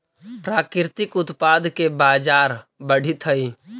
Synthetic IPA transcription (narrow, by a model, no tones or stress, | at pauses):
pɾaːkɾɾɪt̪ɪkʊt̪paːd̪ʱkebaːd͡ʒaːɾbəɽ̤ʱit̪ʰəi